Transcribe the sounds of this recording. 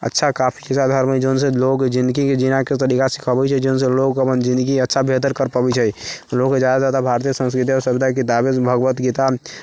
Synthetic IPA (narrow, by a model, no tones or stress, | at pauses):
ə̰tːʃʰakapʰi̥kesad̪ʱəɾmid͡ʒons̬eloɡd͡ʒĩnd̪əɡiked͡ʒinaket̪əɾikasi̥kʰəbɛt͡ʃʰɛd͡ʒonselokəpənd͡ʒĩnd̪əɡiətːʃʰabʱet̪̬əɾkəɾpəbit͡ʃʰɛloɡked͡ʒad̪ad͡ʒat̪abʱaɾt̪̬ijəsə̃nskɾɪt̪̬iɔɾsəbd̪ʱakit̪abebʱəɡʋət̪ɡit̪a